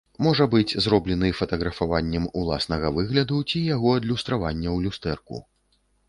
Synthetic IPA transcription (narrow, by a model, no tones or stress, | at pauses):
mɔʐɐbɨd͡zʲzɾɔblʲɛnɨfɐt̪ɐɣɾɐfavanʲːɛmulˠa̰snɐɣɐvɨɣlʲɐd̪ut͡sʲijaɣɔɐd̪lʲust̪ɾavanʲːɐwlʲust̪ɛrkṵ